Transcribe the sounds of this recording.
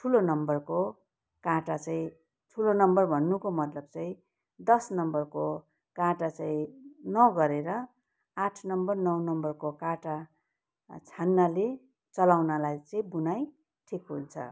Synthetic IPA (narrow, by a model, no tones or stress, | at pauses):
tʰulonʌmbʌrko | kãʈat͡sãĩ | ʈʰulonʌmbʌrbʱʌnːukomʌt̪lʌb̚t͡sʌĩ | d̪ʌsnʌmbʌrko | kãʈat͡saĩnʌɡʌɾeɾʌ | aʈʰnʌmbʌrnʌwnʌmbʌrkokaʈa | t͡sʰanːale | t͡sʌlawnalajt͡sʌĩbunaj | ʈʰikɦṵnt͡sʰʌ̰